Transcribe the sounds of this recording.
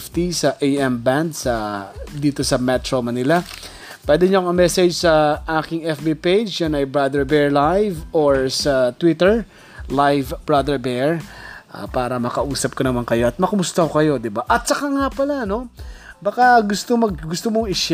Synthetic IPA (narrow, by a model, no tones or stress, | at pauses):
ft̪isɐʔejʔɛmband̪sɐd̪iːt̪o̞sɐmɛt̪ɾomɐnɪlɐ | pwɛd̪ɛɲoŋɐmɛsɛd͡ʒsɐʔaːkɪŋɛfbipejd͡ʒjanɐjbɹad̪ɛɹbɛɹlajvoɹsɐt̪wɪt̪ɛɹ | lajvbɹad̪ɛɹbɛɹʔa̰paːɾɐmɐkɐʔuːsɐp̚kɐnɐmankɐjo̞ɐt̪̚mɐkɐmʊst̪ɐkokɐjo̞d̪ɪbaʔɐt̪̚sɐkaŋapɐlano̞bɐkaɡʊst̪omɐɡ̚ɡʊst̪omoŋɪʃ